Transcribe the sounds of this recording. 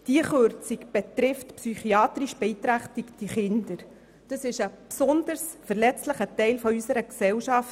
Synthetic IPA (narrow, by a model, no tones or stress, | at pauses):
d̥iəχøɾt͡sikb̥ɛtɾɪftpsyχiɑːt̪ɾiʃb̥ɛit̪ɾæχtikd̥iχɪndəɾ | d̥əsɪʃəpsɔndəɾsfəɾlɛt͡stləχətɛɪlfɔysəɾəksɛwʃɑf